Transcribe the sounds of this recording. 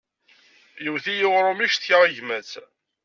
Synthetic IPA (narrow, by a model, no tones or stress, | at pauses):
juwθijɪʁɾˤʊmiʃθçəʁiʝmæt͡s